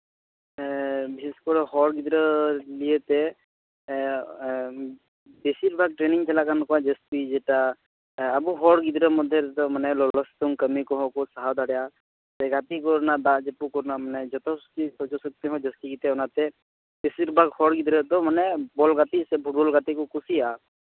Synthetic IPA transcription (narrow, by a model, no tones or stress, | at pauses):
biseskɔɾɔhɔɾɡid̪ɾɔliɛt̪ɛ | besiɾbʱaɡ̚ʈɾeniŋt͡ʃɛlakankɔwad͡ʒəsʈid͡ʒɛʈaː | buɦɔɾɡid̪ɾɔmɔd̪ʱːjɛɾt̪ɔmanɛlɔlɔst̪ɔŋkəmikɔɦɔ̃kɔsaɦad̪aɽja | sɛɡat̪ikɔɾnabad͡ʒepukɔɾnamanɛd͡ʒɔt̪ɔsisɔd͡ʒɔsɔk̚t̪iɦɔ̃d͡ʒəsʈiɡit̪ɛɔnat̪ɛ | b̥esiɾbʱaɡhɔɾɡid̪ɾɔt̪ɔmanɛbɔlɡat̪isɛbʱuʈbɔlɡat̪ikɔkusia